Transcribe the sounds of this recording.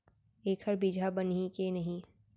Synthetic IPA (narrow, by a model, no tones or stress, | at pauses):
eːkʰəɾbid͡ʒʱabɐnĩkenɐɦĩ